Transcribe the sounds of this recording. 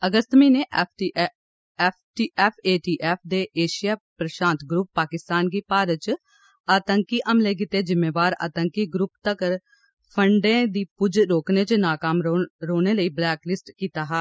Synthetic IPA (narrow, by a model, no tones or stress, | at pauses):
əɡəst̪miːneː | pʈiːʔɛːpʰeːʈiːʔɛːpʰd̪eːʔeːʃɪjaːpɾəʃãːnt̪ɡɾuːpːaːkɪst̪aːnɡiːpaːɾət͡ʃ | aːt̪əŋkiːʔəmleːk̬ɪt̪eːd͡ʒɪmeːʋaːɾa̰ːt̪əŋkiɡɾʊpt̪ək | pʰəɳɖẽːd̪iːpʊd͡ʒɾoːkneːt͡ʃnaːkaːmɾoːneːləiːblɛːklɪsʈkiːt̪aːɦɛː